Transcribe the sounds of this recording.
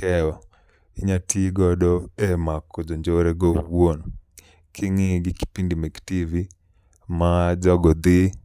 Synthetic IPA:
kɛɔ | iɲatiɡɔdɔemakɔd͡ʒɔɲd͡ʒoɾeɡowon | kʰiŋiɡɪki̥pindimeɡtivi | mad͡ʒɔɡɔd̪ɪ

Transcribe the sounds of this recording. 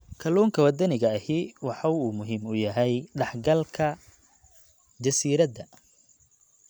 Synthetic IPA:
kʰɐluːŋkʰɐwɐd̪ɐnɪɣɐːhiwɑħɑuːmʊɦiːmʊjɐɦɛjɖɑħɡɐlkʰɐ | d͡ʒɐsiːɾɐd̪ɐ

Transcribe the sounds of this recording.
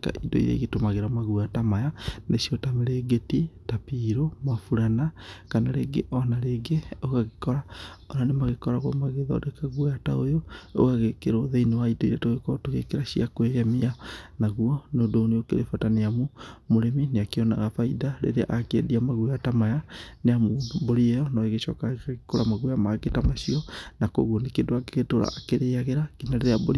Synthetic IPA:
ka̰ʔidɔ̰ḭɾḛiɣetomaɣeɾamaɣuatamajaneʃiɔtameɾeɡetitapiɾomafuɾanakanaɾeːɡeʔɔnaɾeɡeoɣaɣekɔɾa | ɔnanemaɣekɔɾaɣo̰maɣeðɔ̰dɛkaɣwataojoo̰ɣaɣekeɾoðeinewaidɔiɾɛtoɣekotoɣḛkeɾaʃiakweɣemianaɣuɔnodoːneokḛɾefataneamomoɾemineakeɔna̰ɣafaidaɾḛɾeaʔakeɛ̰diamaɣwatamajaneamodoboɾiɛjɔnɔeɣeʃɔ̰kakaɣikoɾamaɣwjamaɡetamaʃiɔnako̰ɣɔnekedoaɡeɣetoɾa̰ːkeɾeaɣeɾakinaɾeɾeaboɾi

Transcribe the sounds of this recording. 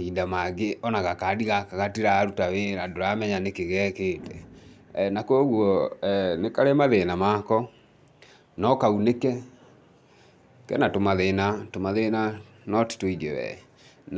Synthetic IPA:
iːndamaɡeɔnaɣakadiɣakaɣatiɾaɾutaweɾadoɾamɛɲanekeɣɛketɛ | nakooɣɔnekaɾemaðenamakɔ | nɔkaunekɛ | kɛ̰natomaðenatomaðena | nɔti̥toiðɛwɛ̰ | n

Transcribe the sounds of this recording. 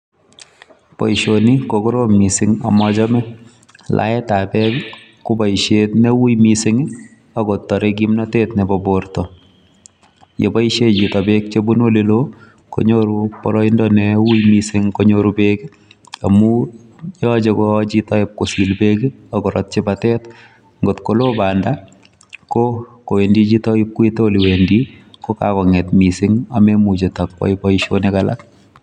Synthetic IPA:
pɔ̰iʃonikokoɾomisɪŋɔ̰mɔt͡ʃɔmɛ | lʔa̰ɛtapɛk | kubɔiʃetnewujmisɪŋ | akotːɔɾek̬imnɔtetnɛbɔbortɔ | jḛbɔiʃet͡ʃitɔbek̚t͡ʃebunwolelo | ko̰ɲoɾupɔɾɔɪndɔnewujmisɪŋkoɲoɾubeki | amu | jɔd͡ʒekot͡ʃitɔɪp̚kosilbeɡiakɔɾɔ̰t̚t͡ʃɪbatɛt | ŋɡotkolobanda | kokowendit͡ʃitɔɪp̚kwitoliwendikoka̰kɔŋɛtmisɪŋamemut͡ʃetakwɔ̰ɪbɔiʃonɛkala̰k

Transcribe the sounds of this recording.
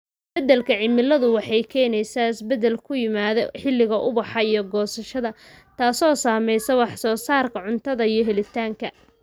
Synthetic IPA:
bɐd̪ɛlkʰɐʕɪmɪlɐðʊwɑħɑjkʰɛːnɛjsaːɪsbɛðɛlkʰʊjɪmaːðɔħɪlːɪɣɐʔʊβɑħɑijɞɡɔːsɐʃɐðɐ | t̪ʰaːsɔːsaːmɛjsɐwɑħsɔːsaːrkʰɐʕʊnt̪ʰɐðɐijɞɦɛlɪt̪ʰaːŋkʰɐ

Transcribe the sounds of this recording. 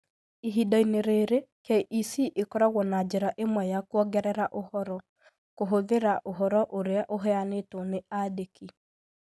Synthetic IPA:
iɦidaineɾeɾekɛʔisiːʔekɔɾaɣwɔnad͡ʒeɾaʔemwɛjakwɔɡɛɾɛɾaʔohɔɾɔ | koɦoðeɾaʔoɦɔɾɔʔoɾeaʔoɦɛanetoneadeki

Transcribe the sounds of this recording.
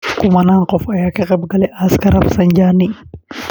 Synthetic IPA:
kʊmɐnaːŋqɔfɐjakɛqʼɐbɡɐlɛʔɐskɐɾɐfsɐnd͡ʒaːnːi

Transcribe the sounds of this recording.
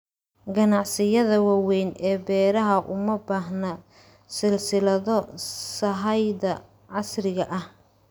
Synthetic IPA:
ɡɐnɑʕsɪjɐðɐwɑwɛjnɛːbɛːɾɐɦɐʔʊmɐbaːɦnɐ | sɪlsɪlɐðɔsɐɦɐjðɐ | ʕɑsrɪɣɐʔɐh

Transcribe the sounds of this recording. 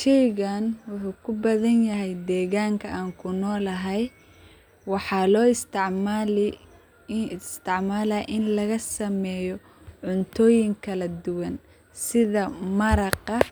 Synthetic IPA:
ʃɛjɣanwʊħuːkʰʊbɐðɐnjɐɦɛjd̪ɛːɣaːŋkʰɐʔaːŋkʰʊnɔːlɐɦɛj | wɑħɑːlɔːɪst̪ɪʕmːl | st̪ʰɪʕmaːlaːʔɪnlɐɣɐsɐmɛːjɔ | ʕʊnt̪ʰɔːjɪŋkʰɐlɐd̪ʊwɐn | sɪðɐmɐɾɑqɐ

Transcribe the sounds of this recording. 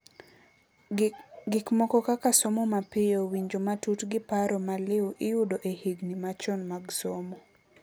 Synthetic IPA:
ɡɪkmɔkɔkakasomɔmapɪjowiɲd͡ʒomatutɡɪpaɾɔmalɪwʔɪjudoʔehiɡnimat͡ʃɔnmaɡsɔmɔ

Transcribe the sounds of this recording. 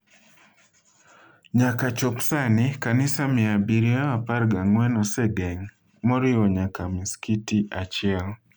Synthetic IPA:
ɲakat͡ʃɔpsanɪkanɪsamɪabiɾiaapaɾɡaŋwɛnɔsɛɡɛŋ | mɔɾɪwɔɲakamiskitiʔat͡ʃɪɛl

